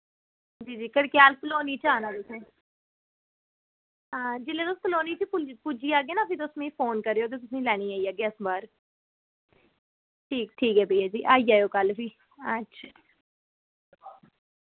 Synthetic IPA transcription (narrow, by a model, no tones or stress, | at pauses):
d͡ʒiːd͡ʒiːkəɽkɪjaːlpəloːniːt͡ʃaːnaːt̪ʊsẽː | aːd͡ʒɪlẽːt̪ʊspəloːniːpipʊpud͡ʒiːaːɡeːnaːpʰit̪osmẽfoːnkəɾeːoːt̪̬eːt̪̬ʊsĩːlɛːɽ̃iːaːiːaːɡeːəsbaːɾ | ʈʰiːk̚ʈʰiːkɦɛːbʱeiːaːd͡ʒiːʔaːiaːjoːkəlpʰiː | ətːʃʰḁ